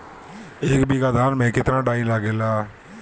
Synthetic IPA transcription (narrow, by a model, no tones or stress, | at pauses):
ɪkbiːɡaːd̪aːnmɛ̃ːkɪt̪ɾãːɖaːĩːlaːɡeːlaː